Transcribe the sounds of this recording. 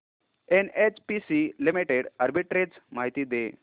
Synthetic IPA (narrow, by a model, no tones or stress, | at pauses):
enet͡ɕpisilimiʈeɽəɾbiʈɾed͡zmaɦit̪iːd̪e